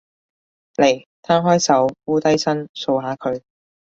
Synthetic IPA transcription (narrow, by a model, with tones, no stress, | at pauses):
le˨˩j | t̪ʰaː˥ɦɔː˥jsɐ˨˥wuː˥t̪ɐ˥jsɐ˥nso˧wɦaː˨˧kʰɵ˨˧ɥ